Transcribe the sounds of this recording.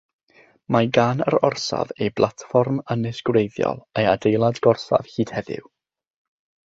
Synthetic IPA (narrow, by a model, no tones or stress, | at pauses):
maɡaːnə̰ɾɔrsa̰vejblˠatfɔrmənɪsɡ̥wrejðjɔ̰lˠejadejlˠadɡ̥ɔrsa̰v̥hiːd̥hɛðɪ̰w